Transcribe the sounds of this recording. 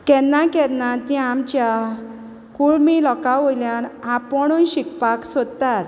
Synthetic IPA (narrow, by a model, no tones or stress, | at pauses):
kɛnːãkɛnat̪ĩamt͡ɕja | kuɭmilɔkaʋojljanapɔɳunɕikpaksɔd̪t̪at̪